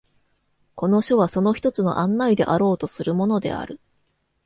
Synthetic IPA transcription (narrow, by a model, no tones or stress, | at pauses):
ko̞no̞ɕo̞β̞aso̞no̞çi̥t̪o̞t͡sɨno̞̰ʔãnːaid̪e̞̰ʔaɾo̞ːt̪o̞sɨɾɯ̟mo̞no̞d̪e̞̰a̰ɾɯ̟